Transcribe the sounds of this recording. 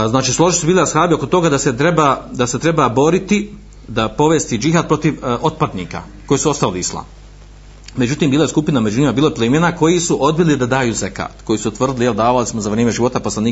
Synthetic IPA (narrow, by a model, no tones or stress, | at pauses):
znaːt͡ʃiːslˠo̞ʒisubiːliasxaːbio̞ko̞t̪o̞ɡad̪aset̪ɾebad̪aset̪ɾe̞babo̞ɾit̪i | d̪apo̞ʋest̪id͡ʒiɦad̪̚pɾo̞t̪iʋo̞t̪̚pad̪nḭːka̰ | ko̞jiːsuo̞st̪aliislˠa̰m | me̞d͡ʑut̪iːmbiːlˠajeskupiname̞d͡ʒunimabiːloplimjenako̞jisuʔo̞d̪̚bilid̪ad̪aːjuːzeka̰ːt̪ko̞jiːsut̪ʋr̩d̪ilˠijeld̪aːʋalismozaʋɾʲjeːmeʒiʋo̞t̪aposlˠaniː